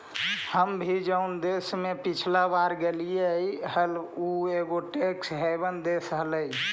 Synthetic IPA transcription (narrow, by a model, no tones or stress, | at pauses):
həmbʱid͡ʒəund̪esmepit͡ʃʰlabaɾɡelijeiɦəlueɡoʈeksɦebənd̪esəɦləj